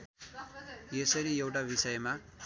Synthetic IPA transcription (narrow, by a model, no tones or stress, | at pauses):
jesʌɾijewʈabisʌjma